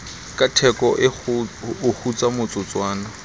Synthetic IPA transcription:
kʼatʰɛkʼɔʔɪ | ʊhut͡sʼamʊt͡sʼʊt͡swaːna

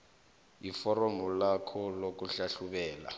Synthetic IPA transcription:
ifɔɾɔmulakʰɔlok̬uɬaɬuɓɛːla̰

